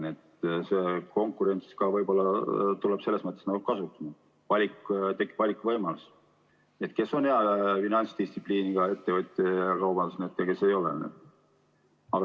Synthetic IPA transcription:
net̪seko̞ŋkˑuɾe̞nʲt̪skɑvɤjbo̞lːɑt̪uleb̥se̞lːesmɤt̪ːˑesnɑɡukɑsut̪ːˑɑmɑ | vɑlʲikt̪e̞kːˑi̥b̥vɑlʲikːvɤjmɑlus | e̞t̪ke̞so̞nheɑfinɑnʲt̪st̪ist̪si̥pliːniɡ̥ɑe̞t̪ːe̞vɤt̪ʲːˑeɑkɑwbɑnd̪usnet̪ːˑɑke̞se̞jo̞lḛnḛ | ɑɡ̥ɑ

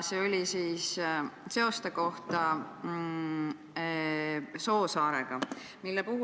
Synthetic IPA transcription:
sio̞lʲisiːsse̞o̞st̪eko̞ht̪ɑ | so̞ːsɑːɾḛɡ̥ɑ | milːepuɦu

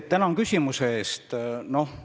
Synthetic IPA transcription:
t̪ænɑŋkysʲimuse̞eːst̪no̞h

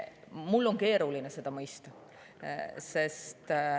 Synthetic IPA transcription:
mulːo̞nke̞ːɾulinese̞d̪̥ɑmɤjst̪ɑ | sest̪

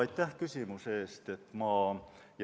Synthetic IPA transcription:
ɑjt̪ːˑæhkysʲimuseːst̪e̞t̪ːˑmɑː | j

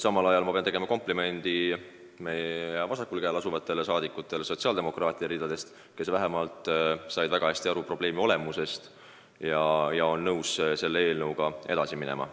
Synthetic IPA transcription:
sɑmɑlɑjɑlmɑpeɑnt̪eɡe̞mɑko̞mplime̞nd̪̥i | mejevɑsɑkːulkæːlɑsuvɑt̪ːˑe̞lesɑːd̪ikːˑut̪ːˑe̞lso̞tsiɑld̪̥e̞mo̞krɑːt̪ˑiɑɾiːd̪̥ɑd̪e̞st̪ | ke̞svæɦemɑlt̪ˑsɑjd̪væɡ̥ɑhæsʲt̪iɑɾupro̞b̥le̞ːmio̞le̞muse̞st̪ | jɑjɑo̞nːɤwsse̞lːee̞ːlnɤwɡ̥ɑe̞d̪̥ɑsiminḛmʔɑ̰

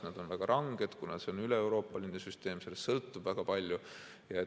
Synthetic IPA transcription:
nɑd̪̥o̞nvæɡ̥ɑɾʔɑŋɡ̥e̞d̪̥kunɑd̪seonyleːwɾo̞ːpːˑɑlinesyst̪e̞ːmse̞lːest̪sɤlt̪ːubvæɡ̥ɑpɑlʲju | jɑe

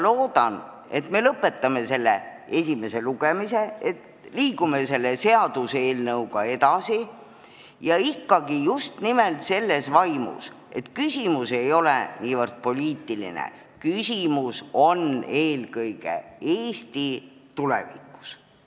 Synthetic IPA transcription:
lo̞ːd̪̥ɑn | e̞t̪me̞lɤpːˑe̞t̪ːˑɑme̞se̞lːe | e̞sʲime̞se̞luɡ̥e̞mise̞et̪ | liːɡume̞se̞lːese̞ɑd̪̥useːlnɤwɡɑe̞d̪ɑsi | jɑikˑːɑɡijust̪nimelt̪se̞lːe̞svɑjmṵs | ʔe̞t̪kysʲimuse̞jo̞lḛniːvɤrd̪̥̚po̞lʲiːt̪ˑilḭnḛ | kysʲimuso̞ne̞ːlkɤjɡ̥ḛeːsʲt̪it̪ulḛvḭkːˑu̥s

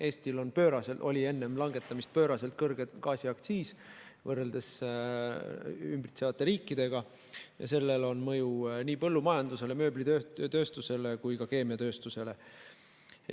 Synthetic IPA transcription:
ʔe̞ːsʲt̪ilo̞npø̞ːɾɑselʔo̞̰lʲie̞nːe̞mlɑŋɡ̥e̞t̪ːˑɑmist̪̚pø̞ːɾɑselt̪̚kɤrɡ̥et̪kɑːsiɑkt̪siːsvɤrːe̞ld̪̥e̞s | ymbrit̪sevɑt̪ːˑe̞ɾiːkˑːid̪̥e̞ɡ̥ɑ | jɑ̰se̞lːe̞lo̞nmɤjuniːpɤlːumɑjɑnd̪use̞le̞mø̞ːblit̪øt̪ø̞ːst̪use̞le̞kujkɑke̞ːmiɑt̪ø̞ːst̪use̞le̞

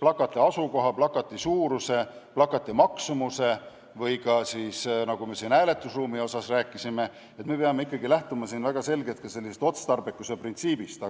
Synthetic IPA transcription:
plɑkːˑɑt̪ːˑeɑsuko̞ɦɑplɑkːɑt̪ːˑisuːɾuse̞plɑkːˑɑt̪ːˑimɑksumuse̞ | vɤjkɑsiːsnɑɡ̥ume̞siːnæːle̞t̪ːˑusruːmio̞sɑsræːkːˑisime̞ | et̪me̞peɑmeikːɑɡilæht̪umɑsiːnvæɡ̥ɑse̞lɡet̪̚kɑse̞lːisest̪o̞t̪st̪ɑrbekːˑuseprint̪siːb̥ist̪ɑ

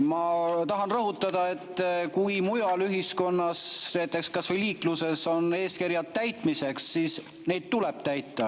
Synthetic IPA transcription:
mɑt̪ɑɦɑnrɤɦut̪ˑːɑd̪̥ɑe̞t̪ːˑkujmujɑlyɦisko̞nːɑsneːt̪ˑːe̞kskɑsvɤjliːkluse̞so̞nːe̞ːskiɾjɑt̪t̪ːæjt̪ˑmise̞ksːiːs | ne̞jd̪̥̚t̪uleb̥̚t̪æjt̪ːˑɑ

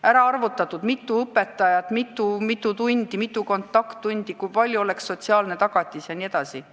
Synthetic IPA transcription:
æɾɑɑrvut̪ːˑɑt̪ud̪̥mit̪ːˑuɤpːe̞t̪ːˑɑjɑt̪ˑmit̪ːˑumit̪ːˑut̪unʲd̪̥imit̪ːˑuko̞nt̪ːˑɑkt̪ːunʲd̪̥ikujpɑlʲjuo̞le̞ksːo̞t̪siɑːlne̞t̪ɑɡ̥ɑt̪ʲːˑisjɑnie̞d̪ɑsi

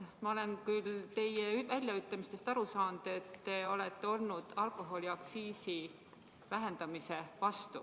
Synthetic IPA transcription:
mɑo̞le̞nkylt̪e̞jevælʲjɑyt̪ːˑɑmist̪e̞st̪ɑɾusɑːnd̪̥e̞t̪ːe̞o̞le̞t̪ːe̞o̞lnud̪̥ɑlko̞ɦo̞lʲiɑksiːsi | væɦend̪̥ɑmise̞vɑst̪u

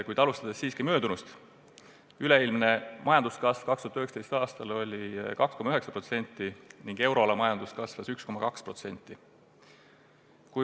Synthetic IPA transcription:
kujd̪ɑlust̪ɑd̪esːiːskimø̞ːd̪unust̪ | yle̞ilmne̞mɑjɑnd̪uskɑsv̥kɑkst̪uɑt̪yhekst̪e̞jst̪ɑːst̪ɑlo̞lʲikɑkskomɑyɦeksɑpro̞t̪se̞nʲt̪ːˑiniŋɡ̥e̞wɾo̞lɑmɑjɑnd̪̥uskɑsvɑsyksko̞mɑkɑkspro̞t̪se̞nʲt̪ːˑi | kuj

